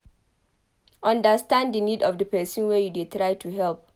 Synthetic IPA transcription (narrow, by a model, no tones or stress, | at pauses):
ɔ̃ndəstãnddənidɔfdəpɛsĩnwɛjudetɹaɪtʰuɦɛlp̚